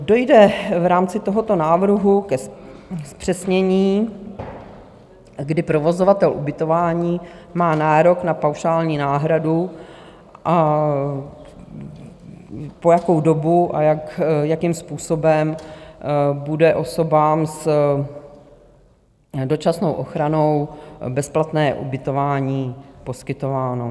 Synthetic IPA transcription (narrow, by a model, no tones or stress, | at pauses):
do̞jdɛvɾaːmt͡sɪt̪o̞ɦo̞t̪o̞naːvr̩ɦukɛsspr̥ɛsɲɛɲiː | ɡdɪpɾo̞vo̞zovat̪ɛlʔubɪt̪o̞vaːɲiːmaːnaːɾo̞knapawʃaːlɲiːnaːɦɾadu | ʔa | pojako̞wdo̞buʔajakjakimspuːsobɛm | budɛʔo̞so̞baːms | do̞t͡ʃasnowʔoxɾano̞wbɛsplat̪nɛːʔṵbɪt̪o̞vaːɲiːpo̞skɪt̪o̞vaːno̞